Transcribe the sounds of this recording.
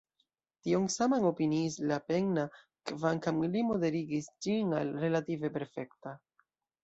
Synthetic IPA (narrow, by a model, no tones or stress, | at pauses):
tioŋsamaŋo̞piniːslape̞ŋna | kvaŋkamlimo̞de̞ɾiɡisd͡ʒinalɾe̞lative̞pe̞ɾfe̞kta